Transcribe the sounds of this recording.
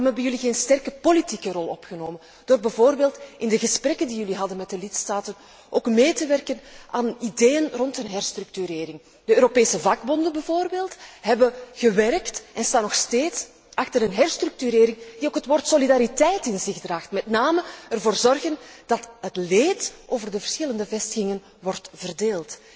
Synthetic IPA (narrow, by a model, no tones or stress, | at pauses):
mɛbənjɵliɣeːnstɛrkəpolitikərɔlˠɔ̰pxənoːmən | d̥oːrbɛvoːrbeːlˠtɪndəɣəsprɛkəndijɵliɦɑdənmɛt̚dəlɪtstaːtən | oːkmeːtəʋɛrkənʔaːnideːjənrɔntənɦɛrstrʏk̚tyɾeːɾɪŋ | dəøːɾopeːsəvɑɡbɔndəbəvoːrbeːlˠtɦɛbəɣəʋɛrktɛnstaːnɔxsteːts | ʔɑxtərənɦɛrstrʏk̚tyɾeːɾɪŋdioːkɦətʋoːrtsolidaːɾitɛjtɪnzɪxdraːxtmɛtnaːməərvoːrzɔrɣənd̥ɑtɦətleːtʔoːvərdəvərsxɪləndəvɛstəxɪŋən | ʋɔrtvərdeːlˠt